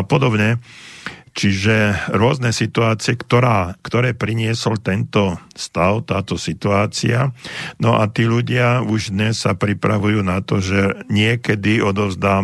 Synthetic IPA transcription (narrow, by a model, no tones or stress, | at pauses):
pɔd̪ɔbɲɛ | t͡ʃiʒɛɾʊɔznɛsit̪uaːt͡siɛkt̪ɔɾaːkt̪ɔɾɛːpɾiɲɪɛsɔlt̪ɛnt̪ɔ | st̪aʊt̪aːt̪ɔsit̪uaːt͡sḭanɔʔat̪iːʎuɟɪauʒd̪ɲɛsːapɾipɾa̰ʋujuːnat̪ɔʒɛɲɪɛkɛd̪iɔd̪ɔʊzd̪aː